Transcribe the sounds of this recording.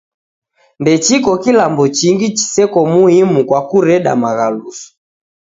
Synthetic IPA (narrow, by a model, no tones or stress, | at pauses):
ndɛt͡ʃikɔkilambɔt͡ʃiŋɡit͡ʃi̥sɛkɔmuhimukwakuɾɛɗa̰maɣalusɔ̥